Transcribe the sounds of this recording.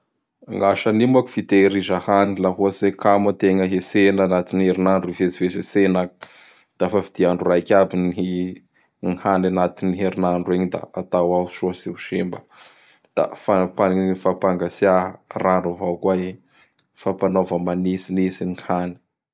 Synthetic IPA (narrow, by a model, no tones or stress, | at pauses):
aŋɡaʃanimaku̥fit̪eɾizahanilaɦuasekʰamət̪eŋəɦesenanat̪inieɾinaɳɖ͡ʐuivet͡sivesesena | d̪̥afavid̪̥iaɳɖ͡ʐurajkʲabinii | ŋhananat̪iniɦeɾinaɳɖ͡ʐueɲid̪a̰at̪awausuasiuʃembə | d̪̥a̰fapaifapaŋɡasiaɦraɳɖ͡ʐovakuae | fapanovəmanisinisiŋiŋhani̥